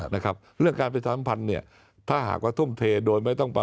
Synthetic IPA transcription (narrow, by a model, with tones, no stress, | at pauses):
na˦˥˩kʰɾa˦˥p̚ɾɯ˥˩əŋkaː˧npɾa˧t͡ɕʰaː˧˩sa˦˥mpʰa˧nːi˥˩ɐ | t̪ʰaː˥˩ɦa̰ː˨˩k̚waː˧˩t̪ʰu˥˩mt̪ʰeː˧doː˧jma˥˩jt̪ɔ˥˩ŋpa˧